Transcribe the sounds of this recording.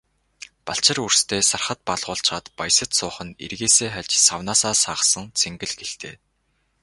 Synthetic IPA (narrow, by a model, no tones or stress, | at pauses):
paɬt͡ɕɪ̆rur̥st̪ʰeːsarχə̆t̪̚paɮʁʊːɬt͡ɕʁaːt̪pajsə̆t̪sʊːχə̆nḛrɣeːseːχæɮʲt͡ɕsawnaːsaːsaːʁsə̆ŋt͡sʰeŋɡɘ̆ɮɡeɬt̪ḛː